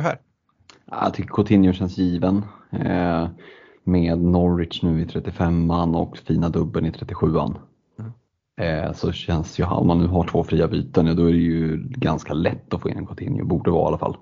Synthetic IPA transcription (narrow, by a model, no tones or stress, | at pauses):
æ | aja̰t̪ʰʏkːəkʰʊt̪ʰɪnjʊɕɛnsjiːvən | meːd̪nɔɾːɪtʂnʉ̟ːɪt̪ʰɾɛt̪ːɪfɛmːanːɔ̰kfiːnad̪ɵbːənɪt̪ʰɾɛt̪ːɪɧʉ̟ːa̰nː | sɔɕɛnsjɵɦa̰lmanːʉ̟ːɦaʈʰvoːfɾiːabyːt̪ənjad̪ɔæɾɛjɵɡanskalɛt̪ːɔfoːɪ̰nɛ̰nkʰʊt̪ʰɪ̰njʊ̰buːɖəɛvɑ̰ːalːa̰fa̰l